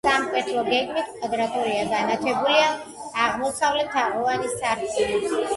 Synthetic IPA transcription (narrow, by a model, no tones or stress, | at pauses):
samkʼwɛt̪ʰlˠɔɡɛɡmit̪ʰkʼwad̪ɾat̪ʼɔɾiaɡanat̪ʰɛbuliaːʁmɔsavlɛt̪ʰaʔɔvanisaɾksʰʼini